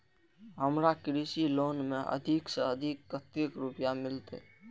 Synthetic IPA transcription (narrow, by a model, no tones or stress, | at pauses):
ɦəmɾakɾisiloːnmẽʔə̰d̪ʱɪksəəd̪ʱɪkːət̪ɪkɾʊpjamɪlt̪ḛ